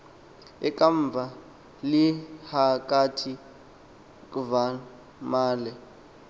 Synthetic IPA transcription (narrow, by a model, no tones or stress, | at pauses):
ɛkʼaɱb̪vʱa | lihak̬ʼatʰi | kʼva | maːlɛ